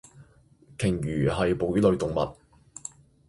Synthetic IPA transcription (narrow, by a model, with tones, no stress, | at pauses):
kʰɪ˨˩ŋjyː˨˩ɦɐ˨jpo˨˧wy˨˥lɵ˨˧ɥt̪ʊ˨˩ŋmɐ̰˨t̚